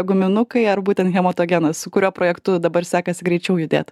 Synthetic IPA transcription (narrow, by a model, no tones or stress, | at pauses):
ɡʊmʲɪnʊkɐɪɐrbuːt̪ʲɛnt̪xʲɛmoːt̪oːɡʲenɐssʊkʊɾʲuːpɾoːjɛkt̪ʊd̪ɐbɐɾsʲæːkɐsʲɪɡɾʲɛɪt͡ʃʲɛʊjʊd̪ʲḛːt̪